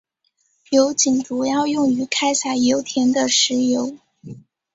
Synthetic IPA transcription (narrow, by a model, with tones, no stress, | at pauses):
jo˧˥ʊt͡ɕi˨˩nʈ͡ʂu˨˩jɑ˥˧ʊjʊ˥˩ŋy˧˥kʰa˥ɪsa˨˩jo˧˥ʊt̪ʰjɛ˧˥nd̪ə˨ʂɻ̩˧˥jo˧˥ʊ